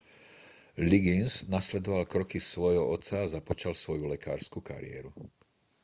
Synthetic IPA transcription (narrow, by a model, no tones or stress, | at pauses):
liɡinsnaslɛd̪ɔʋalkɾɔkisʋɔjɦɔɔt̪t͡sːaːzapɔt͡ʃalsʋɔjulɛka̰ːɾskuka̰ɾɪ̰ɛ̰ːɾu